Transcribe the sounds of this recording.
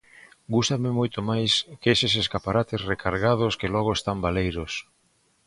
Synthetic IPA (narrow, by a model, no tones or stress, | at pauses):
ɡust̪amɪmojt̪omajskeseseskapaɾat̪esrekʰaɾɣað̞oskelɔɣoest̪ambalejɾos